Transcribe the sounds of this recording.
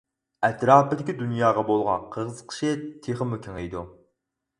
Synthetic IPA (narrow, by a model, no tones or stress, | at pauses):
ɛt̪ɾɑːpɪd̪ɪkʲid̪unjɑːʁɑbolˠʁɑ̰qʰəʁəzqʰə̥ʃɪt̪ʰeχəmykʲʰiŋejd̪u